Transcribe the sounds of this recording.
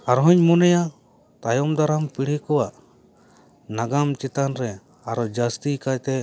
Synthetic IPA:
aɾɦɔɲmɔnɛja | t̪ajɔmd̪aɾampiɽ̤ɛkɔwaʔ | naɡamt͡ʃɛt̪anɾɛ | aɾɔd͡ʒast̪ikajt̪ɛ

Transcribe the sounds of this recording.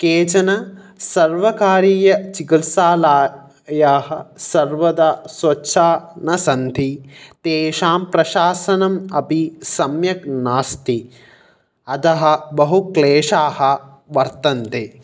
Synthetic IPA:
keːt͡ʃɐnɐ | sɐɾʋɐkaːɾiːjɐt͡ʃikɐlsaːlaː | jaːɦɐ̆sɐɾʋɐd̪aːsʋɐtːʃʰaːnɐsɐnd̪ʱit̪eːʃaːmpɾɐʃaːsɐnɐmɐpisɐmjɐknaːst̪i | ɐt̪ɐɦɐ̆bɐɦukleːʂaːhɐ̆ | ʋɐɾt̪ɐnt̪eː

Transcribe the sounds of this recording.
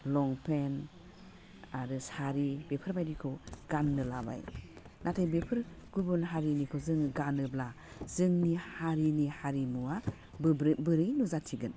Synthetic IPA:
lɔŋpʰen | aɾɯsaɾibepʰɯɾbajɾikʰoɡ̥anːɯlaba̰j | nʔatʰajbepʰɯɾɡubɯnɦaɾinikʰozɯŋɡanɯbla | zɯŋnihaɾinihaɾimua | ɾbɯɾɯjnuzatʰiɡɯn

